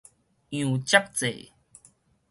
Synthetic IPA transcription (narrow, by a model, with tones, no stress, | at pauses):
jũː˨˩t͡ɕa˦˥k̚t͡sḛ˨